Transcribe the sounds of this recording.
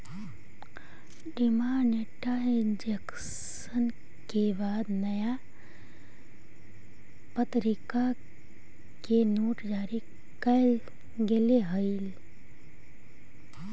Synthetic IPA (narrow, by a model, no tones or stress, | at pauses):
ɖimaːneʈaĩnd͡ʒek | s | ən | kebaːd̪nəja | pət̪ɾika | kenoːʈd͡ʒaːɾi | kɐl | ɡeleɦəil